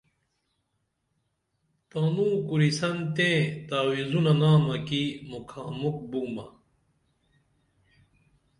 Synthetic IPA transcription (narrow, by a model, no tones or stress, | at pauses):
t̪aːnũːkuɾisɐnt̪ẽt̪aːwizunɐnaːmɐkimukʰamuk̚bumɐ̰